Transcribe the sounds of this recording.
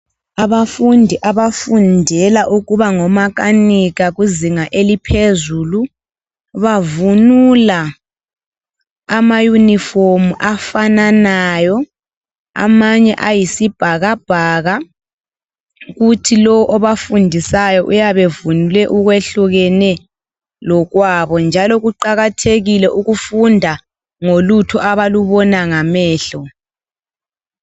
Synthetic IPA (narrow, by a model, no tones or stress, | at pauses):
aβafundʱiʔaβafundʱɛlaʔuɣuβaŋɔmaɣ̬aniɣaɣuziŋaʔelipʰezuːlu | βavunula | amajuniformuʔafananajɔ | a̰maɲɛʔajisib̥ʱaɣab̥ʱaːɣa | ɣutʰilɔwɔʔɔβafundʱisajɔʔujaβevunilɛʔuɣweɬuɣɛnɛ | lɔɣwaβɔnd͡ʒʱalɔɣuǃaɣatʰeɣilɛʔuɣufundʱa | ŋolutʰɔʔaβaluβɔnaŋamɛːɬɔ